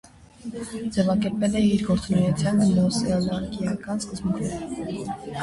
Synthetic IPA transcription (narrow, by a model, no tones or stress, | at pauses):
d͡zɛvɑkɛɾpɛlɛiɾɡɔɾt͡sumijɑt͡sʰjɑnnɔsɛɑlɑɾkijɑkɑnskəzbunk̪ʰnɛɾə